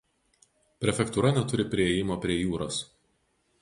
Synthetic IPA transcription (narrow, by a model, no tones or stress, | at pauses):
pʲɾʲɛfʲɛkt̪uːɾɐnʲɛt̪ʊɾʲɪpʲɾʲɪeːjɪmoːpʲɾʲiɛjuːɾoːs